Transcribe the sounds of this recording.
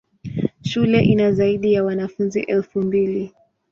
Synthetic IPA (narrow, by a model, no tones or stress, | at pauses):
ʃulɛʔinazaiɗijawanafunzḭʔɛlfumbili